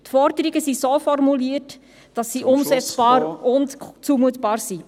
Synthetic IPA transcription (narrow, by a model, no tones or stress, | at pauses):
tfɔɾdəɾiɡəsisoːfɔrmuliət | d̥ɑsːiʔʊmszɛt͡sb̥ɑːɾʊntt͡suːmuətb̥ɑːɾsi